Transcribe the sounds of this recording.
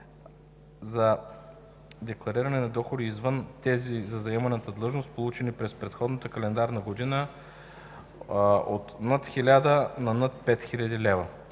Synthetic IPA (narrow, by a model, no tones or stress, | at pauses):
zɐ | d̪ɛklˠɐɾiɾɐnɛnɐd̪ɔxod̪iːzvɤnt̪ɛzizɐzɐɛmɐnət̪əd̪lˠɤʒnost̪̚polˠut͡ʃɛnipɾɛspɾɛt̪xɔd̪nət̪əkɐlɛnd̪aɾnəɡod̪inə | ot̪nət̪xilʲad̪ənɐnət̪̚pɛt̪xilʲɐd̪ilɛvə